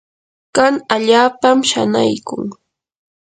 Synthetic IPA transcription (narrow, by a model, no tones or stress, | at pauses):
kaŋaʎaːpamʃa̰najkʊŋ